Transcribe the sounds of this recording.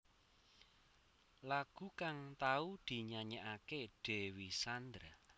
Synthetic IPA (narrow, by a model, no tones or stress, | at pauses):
laɡ̥ṳkaŋt̪aud̪̥i̤ɲaɲaʔakeɖ̥ewisand̪ɾa